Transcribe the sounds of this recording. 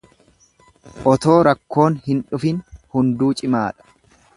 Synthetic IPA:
ʔɔt̪o̞ːɾɐkːo̞ːnhɪnᶑʊfɪnhʊnd̪uːt͡ʃʼɪmaːᶑɐ̥

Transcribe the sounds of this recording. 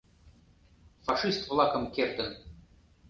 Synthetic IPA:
faʂɨst̪vlˠɑkɤmkʲert̪ɘn

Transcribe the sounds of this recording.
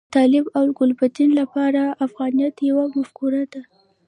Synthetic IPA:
t̪ɑlɪbawlɡʊlpat̪inlapɑɾaːfɣɑnijat̪jawamafkuɾad̪a

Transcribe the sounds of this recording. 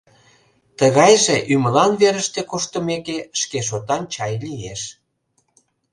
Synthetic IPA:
t̪əɣɑjʒeʔymə̆lɑnβeɾəʃt̪ekoʃt̪əmekeʃkeʃ̬ot̪ɑnt͡ɕɑjlieʃ

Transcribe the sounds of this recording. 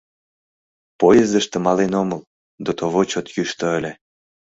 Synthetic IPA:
pojezd̪əʃt̪ə̆mɑlenoməl | d̪ot̪oβot͡ɕot̪jyʃt̪oəlʲĕ

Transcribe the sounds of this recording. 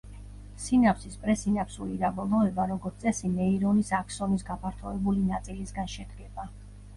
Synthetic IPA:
sinapsispʼɾɛsinapsulid̪abɔlˠɔɛbaɾɔɡɔɾt̪sʼɛsinɛiɾɔnisakʰsɔnisɡapʰaɾt̪ʰɔɛbulinat̪sʼilisɡanʃɛd̪ɡɛba

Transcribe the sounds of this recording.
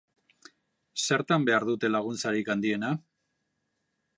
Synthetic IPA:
se̞ɾt̪ambe̞aɾðut̪e̞laɣ̞unt͡saɾikand̪ie̞na

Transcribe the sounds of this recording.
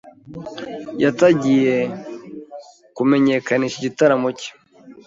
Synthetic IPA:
jataɟije̞ | kume̞ɲe̞kaniʃiɟitaɾamuci̥

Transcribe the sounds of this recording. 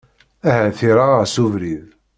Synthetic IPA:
æhæθiɾaəʁsuvɾið

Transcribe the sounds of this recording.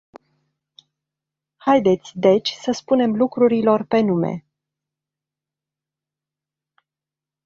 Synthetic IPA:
hajd̪e̞t̪sʲd̪e̞t͡ʃʲsəspune̞mlukɾuɾilo̞rpe̞nume̞̰

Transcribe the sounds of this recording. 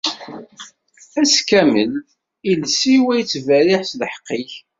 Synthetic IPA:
æskæmə̰l | ilsiwæjt͡sːvæɾɪħsləħə̥qːiç

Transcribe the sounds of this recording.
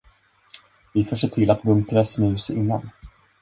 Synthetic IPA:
vɪfoːʂ̬eːʈʰɪlat̪̚bɵmpʰɾɛsnʉ̟ːsɪnːa̰n

